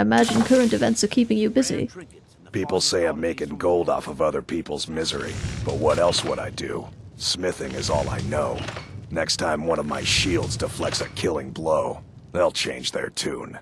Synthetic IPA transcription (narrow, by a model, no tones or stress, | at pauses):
ɪɨmæd͡ʒɨ̃nkʰɜ˞ɨ̃ntɨvɛ̃ntsʌ̥kʰipɪ̃ŋjɨbɪzḭ | pʰipl̩ˠseɪãɪ̃mːeɪkɪ̃ŋɡoʊlˠdɔ̰fʌvʌðə˞pʰipl̩ˠzmɪzə˞ḭb̥ʌt̚wʌɾɛlˠswʌɾaɪdɨ̰smɪθɪ̃ŋɨzɔ̰lˠa̰ɪnoʊnɛkstʰãɪ̃mwʌ̃ñʌvmaɪʃilˠdzdəflɛk̚sɨkʰɪlˠɪ̃ŋbloʊ | ðeɪlˠt͡ʃʰḛ̃ɪ̃nd͡ʒðə̰˞tʰʉ̰̃n